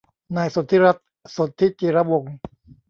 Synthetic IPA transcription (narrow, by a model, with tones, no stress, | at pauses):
naː˧jso˨˦t̪ʰːi˦˥ɾa˦˥t̪̚ | so˨˩˦t̪ʰːi˦˥t͡ɕiː˧˩ɾa˦wo˨˩ŋ